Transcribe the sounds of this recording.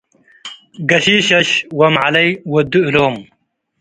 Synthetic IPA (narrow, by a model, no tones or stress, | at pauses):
ɡɐɕiːɕɐɕwɐmʕalɐjwɐd̪uiloːm